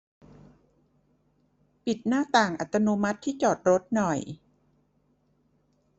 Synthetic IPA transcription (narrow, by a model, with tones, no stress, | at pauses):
pi˨˩t̪̚naː˥˩t̪aː˨˩ŋʔa̰˨˩t̪ːa˧noː˧ma˦˥t̪ʰːiː˥˩t͡ɕɔː˨˩t̪̚ɾo˦˥t̪̚nɔ˨˩j